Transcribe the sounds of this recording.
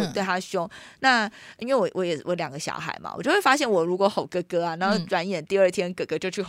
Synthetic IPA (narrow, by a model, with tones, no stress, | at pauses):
t̪we˥˩ɪa˥ɕy˥ʊ˥˩ŋna˥˩i˥nwe˥˩ɪwɔ˧˦wʔɔ̰˧˦jɛ˨˩wʔɔ˧˦ljɑ˨˩ŋɡə˦ɕjɑ̰˧˥ʊxa̰˨˩ɪma̰˩w̰t͡ɕo˥˧xwe˥˩fa˥ɕjɛ˥˩nwɔ˨˩ɻu˧˥kwɔ˧˥˦xo˨˩ʊkɤ˥˩kɤ˥a˨na˨˧˦xo˥˩ʊʈ͡ʂwa˧˥njɛ˨˩nt̪i˥˧ə˞˥˧t̪ʰjɛ˥nkɤ˨˩kɤ˧˥˩t͡ɕjo˥˧ʊt͡ɕʰy˥˩